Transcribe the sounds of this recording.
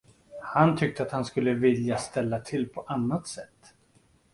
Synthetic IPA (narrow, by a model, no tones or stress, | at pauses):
hant̪ʰʏk̚t̪əat̪hanskɵlːəvɪljast̪ɛlːat̪ʰɪlːpʰɔʔanːat̪sɛt̪ː